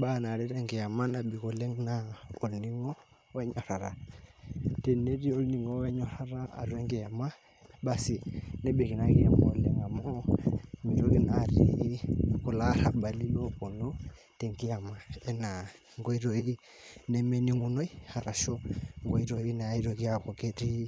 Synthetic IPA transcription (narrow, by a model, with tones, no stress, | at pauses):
ɓa˦˨na˨ɾi˦ɾɛ˦˨ŋɡi˨ja˨ma˦na˨ɓi˨ko˨le˦ŋna˨˦o˨lni˦ŋɔ˦ | wɛ˦ɲɔ˨ɾa˨ɾa˨ | te˨ne˦ɾi˦o˦lni˨ŋɔ˦wɛ˦ɲɔ˦ɾa˦ɾa˦a̰˨ɾwɛ˦ŋɡɛ˨ja˨ma˦ | ɓa˨si˨nɛ˦ɓe˨ki˨na˦ki˦ja˨mɔ˨lɛ˦ŋa˨mɔ˦mi˨ɾo˦ki˦na˨ɾḭ˦ku˨la˦ɾa˨ba˨li˦no˦kɔ˨nɔ˦ | te˨ŋɡi˦a˨ma˨ɛ˦na˨ | ŋɡo˦i˦ɾo˨i˦i˦ | nɛ˦mɛ˦ni˦ŋu˦no˦i˦ha˨ɾa˨ʃɔ˦ŋɡo˨˦i˦ɾo˨i˦na˨˦i˦ɾo˨ki˦a˨kɔ˨ke˦ɾi˦